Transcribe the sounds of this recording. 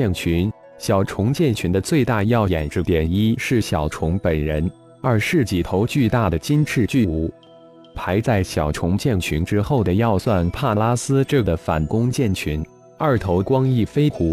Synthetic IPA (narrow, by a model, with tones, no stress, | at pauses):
ɛ˥˩nt͡ɕʰy˧˥n | ɕjɑ˨˩ʊʈ͡ʂʰʊ˧˥ŋt͡ɕjɛ˥˩nt͡ɕʰy˧˥nd̪ə˧t͡swe˥˧ɪt̪a˥˧jɑ˥˩ʊjɛ˨˩nʈ͡ʂ̩˥˩t̪jɛ˨˩ni˥ʂɻ̩˥˩ɕjɑ˨˩ʊʈ͡ʂʰʊ˧˥ŋpə˨˩nɻə˧˥n | ə˞˧˥ʂɻ̩˥˩t͡ɕi˨˩t̪ʰo˧˥ʊt͡ɕy˥˧t̪a˥˩d̪ə˩t͡ɕi˥nʈ͡ʂʰɻ̩˥˧t͡ɕy˥˩u˧˥ | pʰa˧˥ɪt͡sa˥˩ɪɕjɑ˨˩ʊʈ͡ʂʰʊ˧˥ŋt͡ɕjɛ˥˩nt͡ɕʰy˧˥nʈ͡ʂɻ̩˥xo˥˩ʊd̪ə˩jɑ˥˧ʊswa˥˩npʰa˥˩la˥sɹ̩˥ʈ͡ʂɤ˥˩ɡə˩fa˨˩nkʊ˥ŋt͡ɕjɛ˥˩nt͡ɕʰy˧˥n | ɐ˞˥˩t̪ʰo˧˥ʊkwɑ˥ŋi˥˩fe˥ɪxʰu˧˥